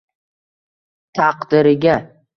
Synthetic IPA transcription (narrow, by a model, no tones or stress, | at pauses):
t̪ʰaqd̪̥ɪɾɪɡʲa